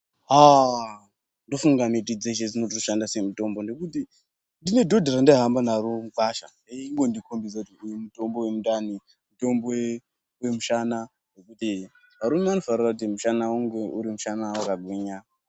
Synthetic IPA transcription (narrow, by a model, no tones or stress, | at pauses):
ɦa | ndo̞fuŋɡamitid͡zeʃed͡zinot̬itoʃandasemuto̞mbo̞ndokuti | ndine̞dʱo̞dʱarandeɦambanaɾumukaʃa̰ | iŋɡo̞ndikombid͡zakutiujemuto̞mbo̞wemuɗani | muto̞mbo | wemuʃana | no̞kuti | ʋaɾumeano̞farirakut̬imuʃanawoŋɡeuɾimuʃanawakaɡʱwiɲa